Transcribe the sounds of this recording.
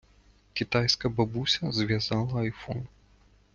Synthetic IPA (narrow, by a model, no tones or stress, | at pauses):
kʲit̪ajskɐbabusʲɐzʲvʲazalˠɐːjfɔn